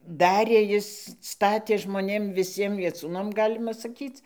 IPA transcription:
ˈdɑːrʲeː ˈjɪs ˈstɑːtʲeː ʒmoːˈnʲeːm ʋʲɪˈsʲiɛm ʋʲiɛˈt͡suːnɐm ˈɡɑːlʲɪmɐ sɐˈkʲiːt͡s

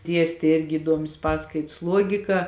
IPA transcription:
ˈdʲiɛsʲtʲeː ˈɪrʲɡʲɪ iːˈduɔmʲɪs ˈpɑːskɐɪts ˈlˠuɔɡʲɪkɐ

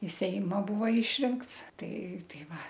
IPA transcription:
ɪ ˈsʲɛɪmɐ ˈbuːʋɐ ˈɪʃʲrʲɪŋkts ˈtɐɪ ˈtɐɪ ˈʋɐ

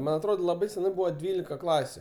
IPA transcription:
ˈmɐn ɐtˈroːt lˠɐˈbɐɪ sʲɛˈnɐɪ ˈbuːʋɐ ˈdʲʋʲiːlʲɪkɐ ˈklˠɑːsʲʊ

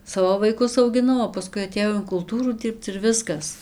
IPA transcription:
ˈsɑːʋoː ʋɐɪˈkʊs ɐʊɡʲɪˈnɐʊ oː pɐˈskʊɪ ɐtʲeːˈjɛʊ ɪn kʊlˠˈtuːruː ˈdʲiːrpt͡s ɪr ˈʋʲɪskɐs

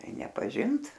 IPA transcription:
ˈtɐɪ nʲɛpɐˈʒʲɪnt

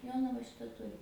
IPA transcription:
ˈjoːnɐʋɐ ˈʃʲɪtɐ ˈtʊrʲɪ

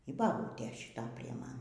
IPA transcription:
iː bɐˈbuːtʲeː ʃʲɪˈtɐ pʲrʲiɛ ˈmɐn

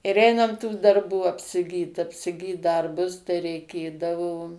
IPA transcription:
ɪr ˈɛɪnɐm tuː dɐrˈbuː ɐpʲsʲɪˈɡʲiːt ɐpʲsʲɪˈɡʲiːt ˈdɐrbʊs tɐɪ rʲɛɪˈkʲeːdɐʋoː

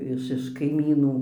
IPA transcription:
ɪʃ ɪʃ kɐɪˈmʲiːnuː

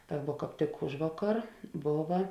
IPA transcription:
ˈtɐ ʋuɔ kɑːp ˈtʲɪk ˈʊʒʋɐˌkɐr ˈboːʋɐ

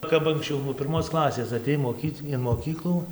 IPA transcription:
ˈkɐp ɐŋksʲˈt͡ʃʲɛʊ nuɔ pʲɪrˈmoːs ˈklˠɑːsʲeːs ɐˈtʲeːj moːˈkʲiːt ɪn moːˈkʲiːklˠuː

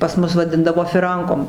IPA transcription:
pɐs ˈmʊs ʋɐˈdʲɪndɐʋoː fʲɪˈrɐŋkoːm

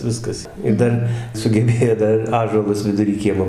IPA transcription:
ˈʋʲɪskɐs ɪr ˈdɐr sʊɡʲɛˈbʲeːjoː ˈdɐr ɪr ˈɑːʒuɔlˠʊs ʋʲɪdʊˈrʲiː ˈkʲiɛmoː

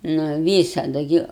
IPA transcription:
nʊ ˈʋʲiːsɐdʊ ˈɡʲɪ

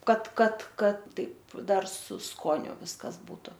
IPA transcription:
ˈkɐt ˈkɐt ˈkɐt ˈtɐɪp ˈdɐr sʊ ˈskoːnʲʊ ˈʋʲɪskɐs ˈbuːtʊ

